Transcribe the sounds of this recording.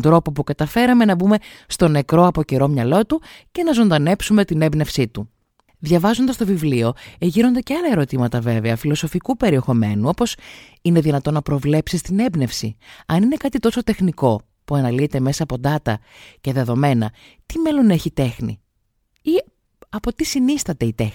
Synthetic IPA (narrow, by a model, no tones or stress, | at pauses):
nd̪ɾo̞po̞pukɐt̪ɐfe̞ɾɐmenɐbume̞st̪o̞ne̞kɾo̞ɐpo̞ce̞ɾo̞mɲɐlo̞t̪uce̞nɐzo̞nd̪ɐne̞psume̞t̪ine̞bne̞fsit̪u | ðʝɐvɐzo̞nd̪ɐst̪ovivlio̞eʝiɾo̞nd̪eceɐlɐe̞ɾo̞t̪imɐt̪ɐve̞veɐfilo̞so̞fikupe̞ɾie̞xo̞me̞nuo̞po̞s | ine̞ðinɐt̪o̞nːɐpɾo̞vle̞psist̪ine̞bne̞fsiɐnine̞kɐt̪it̪o̞so̞t̪e̞xniko̞ | puɐnɐliet̪e̞me̞sɐːpo̞d̪ɐt̪ɐce̞ðe̞ðo̞me̞nɐ̰ | t̪ime̞lo̞neçit̪e̞xnḭ | i | ɐpo̞t̪isinisθɐt̪e̞it̪ex